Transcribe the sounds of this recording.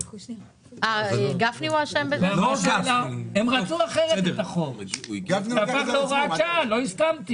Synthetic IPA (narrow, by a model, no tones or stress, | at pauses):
aɡafniaʃembevaozalaemʁat͡suaχeʁet̪t̪aχovaaaoʁat͡ʃalo̞iskamt̪i